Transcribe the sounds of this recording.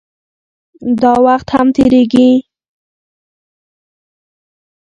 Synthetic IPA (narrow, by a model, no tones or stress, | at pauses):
d̪ɑwaxt̪hamt̪eɾeɡi